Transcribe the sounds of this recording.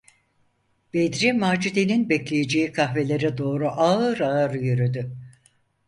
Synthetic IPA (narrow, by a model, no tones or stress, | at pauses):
b̥ed̪ɾimaːd͡ʒid̪eninbɛclʲejed͡ʒejikʰaɦve̞lʲeɾɛd̪o̞ːɾuʔaɯɾaɯɾɯjyɾyd̪y